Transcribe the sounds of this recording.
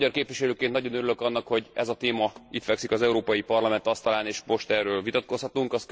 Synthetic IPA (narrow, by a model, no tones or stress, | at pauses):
ɟɒrkeːpʋiʃɛløːkennɒɟo̞nøɾyløkɒnːɒkho̞ɟɛ̰zɒt̪eːmɒit̪fɛksikɒzɛuɾoːpɒjipɒrlɒmɛnt̪ɒst̪ɒlaːneːʃmo̞ʃt̪ɛrːøːlvit̪ɒt̪̚ko̞shɒt̪uŋkɒs